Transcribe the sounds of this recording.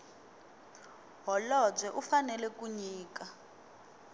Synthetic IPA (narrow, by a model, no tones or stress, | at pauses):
ɦɔlɔd͡zwɛʔufanɛlɛkuɲiːka